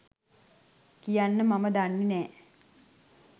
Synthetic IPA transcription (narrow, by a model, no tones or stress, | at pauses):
kijanːəmaməd̪anːinɛː